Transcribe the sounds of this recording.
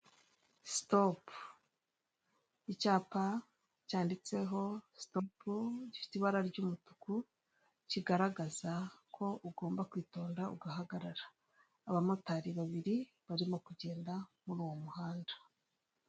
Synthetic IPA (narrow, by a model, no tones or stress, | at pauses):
stop | icaːpa | caːndit͡se̞ɦo̞stopuɟifi̥tiβaɾaɾɟuːmutu̥ku | ciɡaɾaɡazakʰo̞ʔuɡo̞ːmbakwiːto̞ːndauɡaɦaɡaɾaɾḁː | βamotaɾiβaβiɾi | βaɾimo̞kuɟe̞ːndamuɾuːwo̞muhaːndḁ